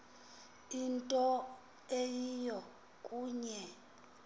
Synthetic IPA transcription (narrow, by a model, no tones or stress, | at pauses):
intʼɔ | ejijɔ | kʼuːɲɛ